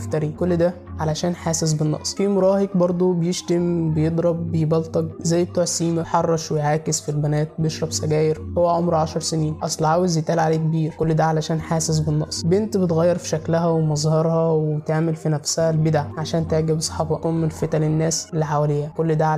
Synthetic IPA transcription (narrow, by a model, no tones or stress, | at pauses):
ft̪æɾikolːd̪æ | ʕalæʃæːnħaːses̬benːɑ̰ʔsˤfimoɾˤɑːheɡbɑɾˤd̪ˤobejeʃt̪embejed̪ˤɾˤɑb̚ːejbɑlt̪ˤɑɡ̚zæjːbet̪uːʕsiːmæħɑrˤːɑʃwejʕaːkesfilbænæːt̪̚bejeʃɾˤɑbsæɡæːjeɾhowːæʕomɾʕaʃɑɾˤsæniːnʔɑsˤlʕaːwezjet̪ʔæːlʕaleːk̚biːɾkolːd̪æʕalæʃæːnħaːses̬benːɑ̰ʔsˤbent̪bet̪ɣæjːɑɾˤfi̥ʃæklæɦæwemɑzˤhɑɾˤhɑwwet̪aʕmelfinæfshælbed̪aʕʕaʃæːnt̪eʕɡæbsˤɑ̥ħɑbɑʔomːelfet̪ælenːæːselːiħawælejhækolːd̪æʕ